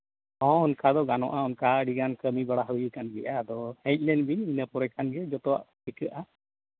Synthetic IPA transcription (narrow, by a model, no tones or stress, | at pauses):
ɔ̃hunkad̪ɔɡanɔ̰̃ʔaunkaɖiɡankəmibaɽaɦujəkanɡɛʔad̪ɔhɛ̃c̚ˀlɛnbinəpɔɾɛkʰanɡɛd͡ʒɔt̪ɔwa̰ʔhikɛʔa